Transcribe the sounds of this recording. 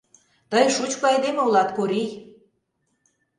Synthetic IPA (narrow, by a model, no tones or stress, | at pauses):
t̪əjʃut͡ɕkoɑjd̪emeulɑt̪koɾij